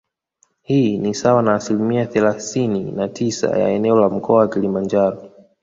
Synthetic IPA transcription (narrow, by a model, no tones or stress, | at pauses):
hiːnisawanaːsilimiaθɛlaθininatʰisa̰ja̰ɛnɛɔlam̩kʰɔawakilimand͡ʒaɾɔ